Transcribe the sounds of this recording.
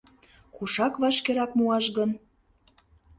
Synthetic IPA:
kuʃɑkβɑt͡ɕkeɾɑk̚muɑʃɣən

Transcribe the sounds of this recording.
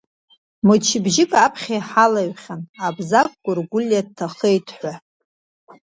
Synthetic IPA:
mɨt͡ʃʰɪbʒɪkʼapʰχʲajħalaɥχʲanabzakʼːʷʊrɡʷʊlʲjad̚tʰaχejtʼʰħʷa

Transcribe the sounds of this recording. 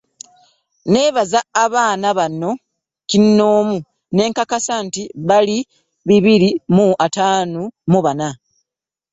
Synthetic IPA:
ne̞ːβazaːβaːnaβanːo̞ | cinːoːmu | ne̞ːŋkakasantiβali | βiβiɾimuʔataːnumuβana

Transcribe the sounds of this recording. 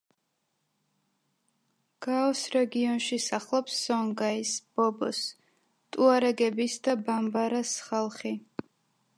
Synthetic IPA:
ɡ̥aɔsɾɛɡiɔnʃisaχlˠɔpsːɔŋɡaisb̥ɔbɔs | t̪ʼuaɾɛɡɛbisd̪abambaɾasχalˠχi

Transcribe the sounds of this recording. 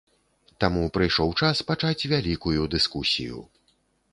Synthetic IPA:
t̪amupɾɨjʂɔwt͡ʂaspat͡ʂat͡sʲvʲalʲikujud̪ɨskusʲḭjṵ

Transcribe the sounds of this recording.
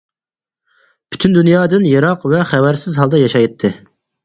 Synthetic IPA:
bʰy̥t̪ʰynd̪unjɑːd̪ɨnjɑɾɑqvɛχævæɾsɪzɦɑlˠd̪ɑjɑʃɑjt̪ʰːɨ

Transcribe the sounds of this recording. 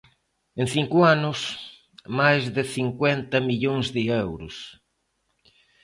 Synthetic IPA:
ẽŋθiŋkʊanʊs | majzðɪθiŋkwɛnt̪ɐmiʎoŋzðɪɛwɾʊs

